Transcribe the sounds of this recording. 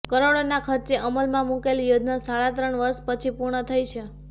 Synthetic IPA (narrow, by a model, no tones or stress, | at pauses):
kəɾoɽonakʰəɾt͡ʃeʔəməlmãmukeljod̪nasaɭat̪ɾəɳʋəɾʃpət͡ʃʰipuɾɳət̪ʰəjt͡ʃʰe